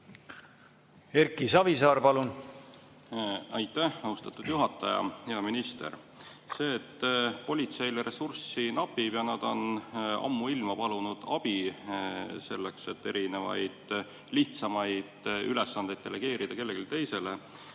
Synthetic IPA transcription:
eɾkisɑvisɑːɾpɑlun | ɑjt̪ːˑæhɑust̪ɑt̪ːˑud̪̥juɦɑt̪ːˑɑjɑ̰heɑminist̪ḛr | se̞ːt̪ːpo̞lʲit̪se̞jleɾe̞sursinɑpːˑibjɑnɑd̪̥o̞nɑ̰mːuilmɑpɑlunud̪̥ɑb̥i | se̞lːekse̞t̪ːe̞ɾine̞vɑ̰jd̪̥ | liht̪sɑmɑjd̪̥yle̞sːɑnd̪̥e̞jd̪̚e̞le̞ɡ̥e̞ːɾid̪̥ɑke̞lːe̞ɡilt̪e̞jse̞le̞

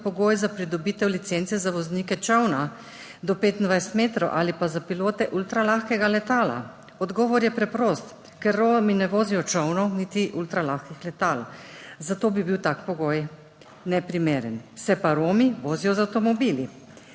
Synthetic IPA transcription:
pɔɡoːjzapɾid̪ɔbiːt̪ɛwlit̪seːnt̪sɛzaʋɔzniːkɛt͡ʃəwna | d̪ɔpeːt̪ind̪ʋajst̪meːt̪ɾɔwʔalipazapiloːt̪ɛʔult̪ɾalaxkɛɡalɛt̪aːla̰ | ɔd̪ɡɔːʋɔɾjɛpɾɛpɾost̪ | kɛɾːoːminɛʋoːzijɔt͡ʃəwnɔwnit̪iʔult̪ɾalaxkixlɛt̪alzat̪oːbibiwt̪aːkpɔɡoːj | nɛpɾimeːɾɛnsɛpaɾoːmiʋoːzijɔzawt̪ɔmɔbiːli

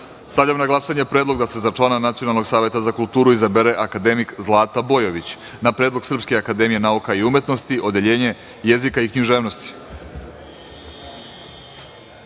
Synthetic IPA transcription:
st̪avʎamnaɡlˠasaɲe̞pɾed̪lo̞ɡd̪ase̞zat͡ʃlˠananat̪sio̞nalˠnoɡsaːʋje̞t̪azakulˠt̪uːɾuizabeɾeʔakad̪e̞mikzlˠaːt̪abo̞jo̞ʋit͡ɕ | napɾed̪lˠoɡsr̩pskeakad̪e̞mije̞naukaiume̞t̪no̞st̪iʔo̞d̪e̞ʎe̞ːɲe̞ | je̞zikaikɲiʒeːʋno̞st̪i̥

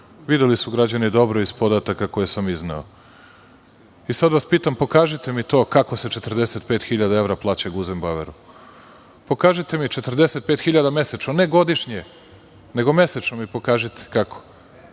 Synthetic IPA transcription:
ʋid̪elisuɡɾad͡ʑanid̪o̞bɾo̞izpo̞d̪at̪akako̞jesamiznao̰ | isad̪ʋaspiːt̪ampo̞kaːʒit̪e̞mit̪o̞ːkako̞se̞t͡ʃe̞t̪ər̩ɾd̪e̞se̞t̪̚pe̞ːt̪xiʎad̪ae̞vɾaplˠaːt͡ɕaɡuzembaʋḛɾu | po̞kaːʒit̪e̞mit͡ʃe̞t̪r̩d̪ese̞t̪̚peːt̪xiʎad̪ame̞set͡ʃnone̞ɡo̞d̪iʃɲe | ne̞ɡo̞me̞set͡ʃnomipo̞kaːʒit̪ʰe̥kakʰo̥

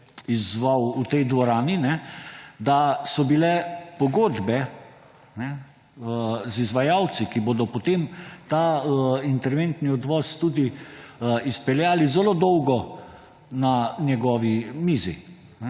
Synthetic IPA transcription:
izʋawut̪ɛjd̪ʋɔɾaːninɛd̪asɔbilɛpɔɡoːd̪bɛ | nɛ | zizʋajawt̪sikiboːd̪ɔpɔt̪emt̪aint̪ɛɾʋent̪niɔd̪ʋɔst̪uːd̪i | ispɛljaːlizɛlod̪ɔwɡɔ | nanjɛɡɔːʋimiːzḭ | nɛ

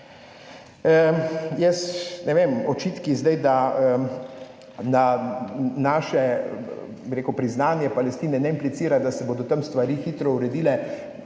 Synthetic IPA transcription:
jɛsnɛʋeːmɔt͡ʃiːt̪kizd̪ajd̪a | na | naːʃɛ | biɾeːkupɾiznaːnjɛpalɛst̪iːnɛnɛimplit̪siːɾad̪asɛbod̪ɔt̪ɐmst̪ʋaɾiːxiːt̪ɾɔuɾɛd̪iːlɛ

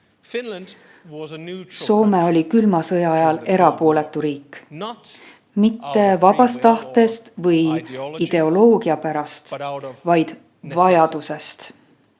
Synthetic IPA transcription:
so̞ːmeo̞lʲikylmɑsɤjɑɑjɑle̞ɾɑpo̞ːle̞t̪ːˑuɾiːk | mit̪ːe̞vɑb̥ɑst̪ɑht̪e̞st̪vɤjid̪̥e̞o̞lo̞ːɡ̥iɑpæɾɑst̪vɑjd̪̥ | vɑjɑd̪̥use̞st̪

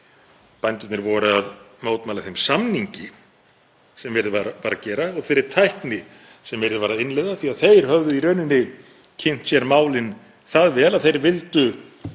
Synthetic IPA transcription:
pajnt̪ʏt̪nɪɾvɔɾʏaðmoːwt̪maːlaθejmsamniɲcɪ | sɛmvɛɾðvaɾapaːɾacɛːɾaɔɣθɪɾːɪɾ̥t̪ʰajhknɪ | sɛmvɛjɾðʏvaːɾaɪnlejðaθiaðθejɾ̥hœvðʏiɾœːɥnɪnːɪ | cʰen̥t̪sjɛɾmaːwlɪn | θaðvɛːlaðθejɾvɪlt̪ʏ

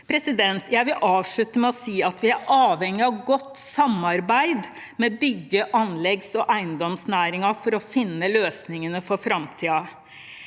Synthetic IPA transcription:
pʰɾɛsɪd̪ɛnt̪ʰjæɪʋɪlʔɑːʋʂɭʉt̪əmɛɔsiːɑt̪ʋɪæɾʔɑːʋhɛŋːɪɑʋɡɔt̪ːsɑmːɑɾbæɪd̪ | mɛbʏɡːəʔɑnlɛɡsɔʔæɪənd̪ɔmsnæːɾɪŋɑfɔɾɔfɪnːəløːsnɪŋənəfɔɾfɾɑmt̪ʰiːɑ

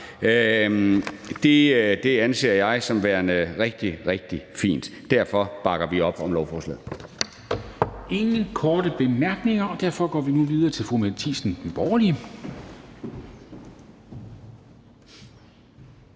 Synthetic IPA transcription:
d̥e̝d̥e̝ænse̝̰ːɐjɑ̈ɪsɒ̽mʋæɐnəʁeɡ̥̚d̥iʁeɡ̥̚d̥ifḭːnd̥ | d̥æɐ̰fɒ̽b̥ɑ̈ɡ̥ɐʋiɒ̽b̥ɒ̽mlɒʊfɒːslɛ̰ːðˠ | e̝ŋn̩kʰɒːdəb̥e̝mæɐɡ̥ne̝ŋɐɒ̽d̥æɐ̰fɒ̽ɡ̥ɒ̰ːʋinuʋið̞ˠɐːt͡sʰe̝lfumæt͡sʰḭːsn̩̥b̥ɒːli

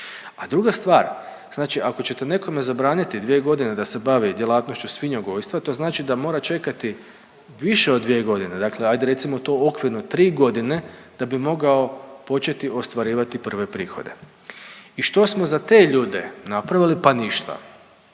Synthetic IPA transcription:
ad̪ɾuɡast̪ʋaːɾ | z̥naːt͡ʃiʔako̞t͡ɕe̞t̪e̞ne̞ko̞me̞zabɾaːnit̪id̪ʋije̞ɡo̞d̪ine̞d̪ase̞baʋid̪je̞laːt̪no̞ʃt͡ɕusʋiɲoɡoʋjʲst̪ʋat̪o̞ːznaːt͡ʃid̪amo̞ːɾat͡ʃe̞kat̪i | ʋiʃe̞od̪ːʋieɡo̞d̪ine̞d̪aːkle̞ajd̪eɾe̞t̪simo̞t̪o̞ːokʋiɾnot̪ɾiːɡo̞d̪ine̞d̪̥abimo̞ɡao̞po̞t͡ʃe̞t̪iʔo̞st̪ʋaɾiːʋat̪ipr̩ʋe̞pɾiːxo̞̰d̪e̞̰ | iʃt̪o̞smo̞zat̪e̞ːʎuːd̪e̞̰napɾaʋilipaniʃt̪a̰

